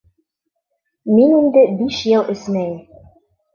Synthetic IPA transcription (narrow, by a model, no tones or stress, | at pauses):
minind̪ɘbiʃjɤlˠʔɵ̆smæjɘ